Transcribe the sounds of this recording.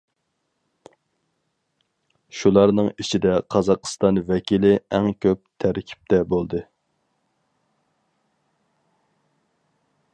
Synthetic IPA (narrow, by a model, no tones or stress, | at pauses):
ʃulˠɑɾnɨŋit͡ʃʰid̪ɛqʰɑzɑqʰst̪ɑnvɛkʲʰilɪɛŋkʲʰøp̚t̪ʰæɾkʲʰi̥p̚t̪ʰɛbolˠd̪ɨ